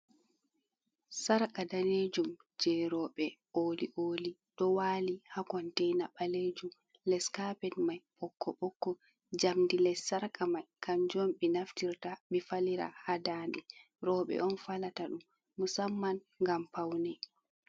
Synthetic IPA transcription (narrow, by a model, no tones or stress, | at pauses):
saɾkadaned͡ʒum | d͡ʒɛɾɔɓɛʔoːliʔoːliɗɔwaːlihakɔntɛjnaɓaled͡ʒum | lɛskapɛtmajɓɔkʰːɔɓɔkːɔ | d͡ʒamdilɛsːaɾkʼamajkʰand͡ʒɔmɓɛnaftiɾtaɓifaliɾa̰hadaːndɛ | ɾɔːɓɛ̰ʔɔnfalataɗumː | usamːan | ŋɡampawnɛ